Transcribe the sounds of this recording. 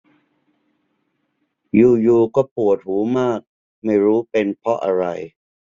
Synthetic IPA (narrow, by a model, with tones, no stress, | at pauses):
juː˧˩juː˧kɔː˥˩pu˨˩ət̪̚huː˩˦maː˥˩k̚ | ma˥˩jɾuː˦˥pe˧npʰɔ˦˥ʔa˧ɾa˧j